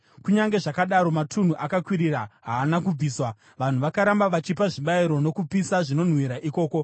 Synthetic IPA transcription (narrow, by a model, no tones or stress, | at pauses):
kuɲaŋɡe̞ʐakaɗaɾo̞matʰun̤uʔakakwiɾiɾaɦaːnakub͡viːswa | ʋan̤uʋakaɾambaʋat͡ʃipaʐiɓaiɾo̞no̞kupisaʐino̞n̤wiɾaʔiko̞ːko̞